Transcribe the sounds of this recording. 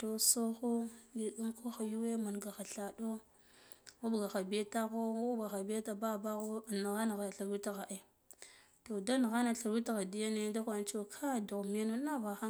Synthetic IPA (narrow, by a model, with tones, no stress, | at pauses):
to˨so˦xo˦di˨ɗu˦ŋko˦xa˨ju˦we˦ma˨nɡa˨xa˨ɬa˨do˦ | ɣu˦bɡa˨xa˨bi˨e˦ta˦ɣo˦ɡa˨xa˨bi˦e˦ta˨ba˦˨ba˦ɣo˦˨na˨ɣa˦na˨ɣa˨ɬa˨wi˦ta˦ɣa˨ʔe˦ | to˨da˦n˨ɣa˦na˨ɬa˨wi˦ta˦ɣa˨di˦ja˦ne˦da˦xʷa˨nt͡ʃo˦kʰa˦˨do˨ɣm˦a˦no˦na˦va˨xa˦